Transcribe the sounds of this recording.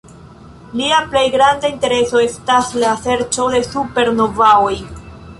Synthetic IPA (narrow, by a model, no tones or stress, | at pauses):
liaplejɡɾandainte̞ɾe̞so̞estaslase̞ɾt͡ʃo̞de̞supe̞ɾno̞vaoj